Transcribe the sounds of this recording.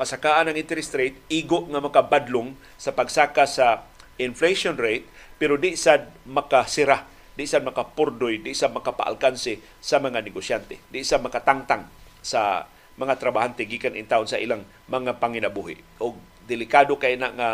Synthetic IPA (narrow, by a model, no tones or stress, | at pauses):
pasakaʔanaŋʔɪnt̪ɛɾɪst̪ɾejt̪iːɡʊʔŋamakabad̪lʊŋ | sapaɡsaːkasaɪnflejʃonɾejt̪̚pɛɾod̪ɪʔsad̪̚makasɪɾa | d̪ɪʔsad̪̚mɐkapʊɾd̪ʊjd̪ɪʔsad̪̚makapa̰ʔa̰lkansɪ | samɐŋanɪɡosjant̪ed̪ɪʔsadmɐkat̪aŋt̪aŋ | sa̰ | mɐŋat̪ɾabahant̪ɛɡiːkanʔɪŋt̪aʔʊnsaʔilaŋ | mɐŋapaŋɪnabuhɪ̰ʔʔʊɡ̚ | d̪ɪlɪkad̪okaʔinaʔŋa